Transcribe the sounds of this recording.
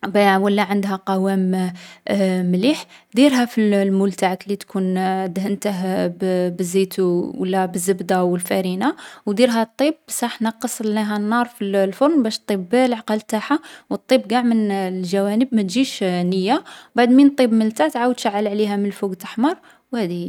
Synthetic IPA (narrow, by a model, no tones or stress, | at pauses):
bæwəlːæʕənd̪ɦæqɑwæm | mliħd̪iɾɦæfillmult̪aʕklit̪kʰund̪ɦənt̪əɦbbəzːit̪uwə̰lːæbəzːəbd̪awəlfæɾinawd̪iɾɦæt̪ˤːib̚sˤɑħnɑqəsˤlnæɦænːɑɾˤfillfoɾnbæʃt̪ˤːibːelʕqɑlt̪aħawət̪ˤːibɡaʕmənlʒæwænəbmæt̪ʒiʃnəjːabaʕd̪mint̪ˤːibməlt̪æt̪ʕawəd̪ʃaʕːəlʕlihæmənlfuɡt̪aħmɑɾˤ | whæd̪i